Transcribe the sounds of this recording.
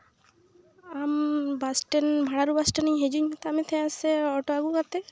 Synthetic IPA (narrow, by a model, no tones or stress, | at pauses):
ambasʈenbʱaɽaɾubasʈeniɲɦed͡ʒuɲt̪ɔamit̪ʰɛ̃aseɔʈoaɡukat̪ɛ